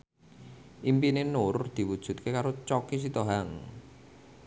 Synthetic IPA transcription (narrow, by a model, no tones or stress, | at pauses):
ʔimpinenʊrd̪̥i̤wud̥ʒ̥ṳt̪̚kekaɾot͡ʃɔkis̬it̪oɦaŋ